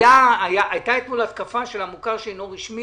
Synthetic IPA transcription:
aːjaʔajt̪aet̪mulat̪kafaʃe̞lamukaʁʃenoʁiʃmi

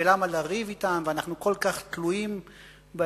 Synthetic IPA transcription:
elamalaʁivitamveanaχnukolkaχt̪luim | be

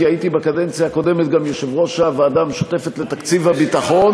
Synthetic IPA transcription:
iait̪ibekadent͡sijaːko̞de̞met̪ɡamjoʃevʁo̞ʃaveadamʃo̥te̞fet̪letakt͡sivabitaχo̞n

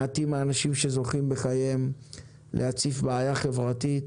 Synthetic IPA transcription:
at̪imaːnaʃimʃezo̞χimbeχajem | lʔeat͡sifbaajaχe̞vʁat̪it

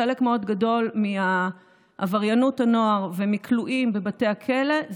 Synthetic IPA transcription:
elekmeo̞dɡado̞lmia | avaʁjanuthano̞aʁvemikʰluʔimbe̞bate̞akʰele̞z

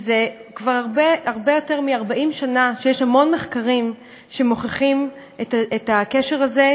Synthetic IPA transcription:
zekvaʁaʁbeaʁbejo̞te̞ʁmiaʁbaʔimʃanaʃejeʃhamo̞nmeχkaʁim | ʃe̞mo̞χeχim | etetakeʃe̞ʁaze

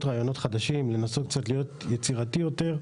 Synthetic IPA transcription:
t̪ʁaːjo̞no̞t̪χad̪aʃimle̞nasok̚t͡sat̪lijo̞t̪jet͡siʁatijo̞te̞ʁ

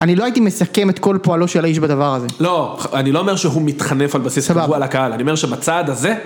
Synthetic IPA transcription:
aniloait̪ime̞sake̞met̪ko̞lpoalo̞ʃelaiʃbad̪avaʁaze̞lo̞anilo̞ome̞ʁʃeɦumit̪χane̞falbasissabaualakaalaniome̞ʁʃebat͡saːd̪aze̞

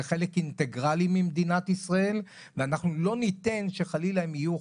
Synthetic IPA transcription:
χe̞lekint̪eɡʁalimimd̪inat̪isʁae̞l | veanaχnulo̞nit̪e̞nʃe̞χalilaemiju

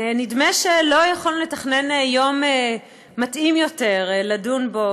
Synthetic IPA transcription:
nidmeʃelo̞jaχolle̞taχne̞njo̞meː | atʔimjo̞te̞ʁladunbo̞

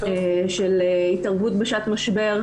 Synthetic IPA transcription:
ʃeleitaʁvutbeʃat̪maʃbe̞ʁ

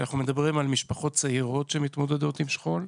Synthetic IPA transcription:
anaχnumed̪abʁimalmiʃpaχo̞t̪̚t͡seiʁo̞t̪ʃemit̪mo̞d̪ed̪o̞t̪imʃχo̞l

